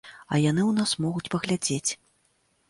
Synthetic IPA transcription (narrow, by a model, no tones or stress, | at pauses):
ɐ̰jan̪ɨwnasmɔɣut͡sʲpɐɣlʲad͡zʲet͡sʲ